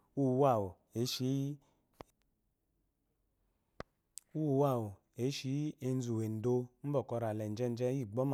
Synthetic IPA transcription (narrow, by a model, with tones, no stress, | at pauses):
u˦˨˦wa˦˨w | e˨˦ʃi˨˦ | u˦˨˦wa˦˨wu˨ | e˨˦ʃi˨˦e˧n̩˦zu˨we˨n̩˨do˧m̩˦bɔ˨kɔ˧ɾa˨lɛ˨n˨d͡ʒɛ˧n˦d͡ʒɛ˧˦i˦˨ɡ͡bɔ˦m˨